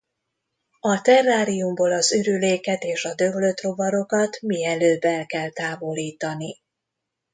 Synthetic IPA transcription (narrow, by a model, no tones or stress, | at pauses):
ɒt̪ɛrːaːɾijumboːlɒzyɾyleːkɛt̪eːʃɒd̪øbløt̪ro̞vɒɾo̞kɒt̪miɛløːbɛlkɛlt̪aːvo̞liːt̪ɒni